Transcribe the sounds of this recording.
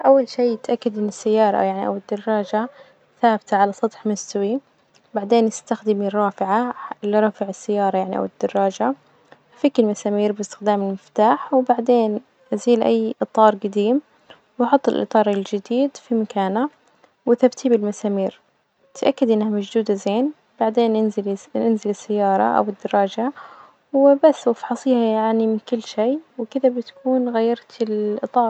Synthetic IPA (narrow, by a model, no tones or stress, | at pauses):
ʔawːalʃiːɪt̪ʔakːad̪ʔɪnːɪsːajːɑːɾˤɑ̰jaʕniʔa̰wɪd̪ːɑrˤːɑːd͡ʒa | θaːbɪt̪aʕalasˤɑt̪ħmɪst̪wi | baʕd̪eːnjɪst̪axd̪ɪmirˤːɑːfɪʕalɪɾˤɑːfɪʕɪsːajːɑːɾˤɑjaʕniʔa̰wɪd̪̥ːɑrˤːɑːd͡ʒa | fiːkɪlmasaːmiːɾbɪst̪ɪ̥xd̪aːmɪlmɪft̪aːħwbaʕd̪eːn | ʔaziːlʔa̰jːʔɨt̪ˤɑːɾˤɡad̪iːm | wħʊt̪ˤːɪlʔɨ̰t̪ˤɑːɾˤɪld͡ʒɪd̪iːd̪fimakaːna | wɪθabt̪ibɪlmasaːmiːɾ | t̪ʰʔakːad̪ʔɪnːhamad͡ʒd̪uːd̪azeːn | b̥aʕd̪eːnʔɪzɪlɪnzɪlɪsːajːɑːɾˤɑ̰ʔa̰wɪd̪ːɑɾˤɑːd͡ʒa | wɪbasːwfħɑsˤiːhajaʕnimɪnkɪlːʃeːwɪkɪðabɪt̪kuːnɣajːɑɾˤt̪ɪlʔɨt̪ˤɑːɾˤ